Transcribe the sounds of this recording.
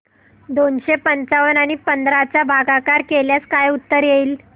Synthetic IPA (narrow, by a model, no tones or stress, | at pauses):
d̪onɕepənt͡saʋənaɽ̃ipənd̪ɾat͡sabʱaɡakaɾkeljaskajut̪ːəɾjeiːl